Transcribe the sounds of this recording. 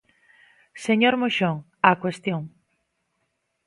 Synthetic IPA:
seɲoɾmoʃoŋ | akwest̪joŋ

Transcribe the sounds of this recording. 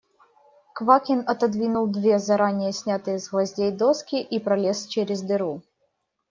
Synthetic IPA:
kvakʲɪnɐt̪ɐd̪vʲinulˠd̪vʲezɐɾanʲɪjəsʲnʲat̪ɨjəzɣlˠɐzʲdʲejd̪oskʲɪʔipɾɐlʲest͡ɕeɾʲɪzʲd̪ɨɾu

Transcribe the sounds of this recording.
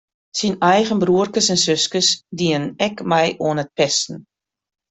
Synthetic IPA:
sinɛjɣənbruərkəsɛnsøskəsdiənɛkmɛjʔoənət̚pɛstn̩

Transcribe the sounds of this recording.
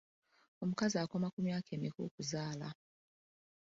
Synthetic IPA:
omukaziakwamakumiakʰemikṵkuzaːla̰

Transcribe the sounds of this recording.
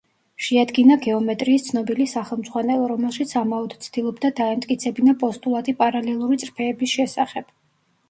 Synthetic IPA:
ʃɛad̪ɡinaɡɛɔmɛt̪ʼɾiːst̪sʰnɔbilisaχɛlˠmdzʁwanɛlˠɔɾɔmɛlˠʃit̪sʰamaud̪t̪sʰd̪̥ilˠɔbd̪ad̪aɛmt̪ʼkʼit̪sʰɛbinapʼɔst̪ʼulˠat̪ʼipʼaɾalɛlˠuɾit̪sʼɾpʰɛːbisʃɛsaχɛb̥

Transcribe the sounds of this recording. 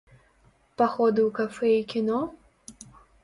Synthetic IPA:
paxɔd̪ɨwkafɛikʲinɔ

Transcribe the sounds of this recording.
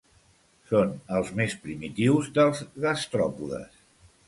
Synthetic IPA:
sonəlˠzmespɾimit̪iwzðəlˠzɣəst̪ɾɔpuðə̰s

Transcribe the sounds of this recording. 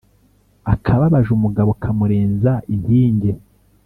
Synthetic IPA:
akʰaβaβaʒumuɡaβo̞kʰamuɾeːnzaʔinhiːɲɟe̞

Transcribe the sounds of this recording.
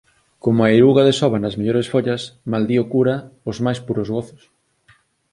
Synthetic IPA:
komʊɐeɾuɣɐðesɔβɐnɐzmeʎoɾesfoʎɐsmald̪iokuɾɐozmajspuɾozɣoθʊ̥s

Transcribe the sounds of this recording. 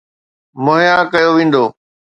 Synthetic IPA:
mʊɦjakɐjoʋẽːn̆d̪oː

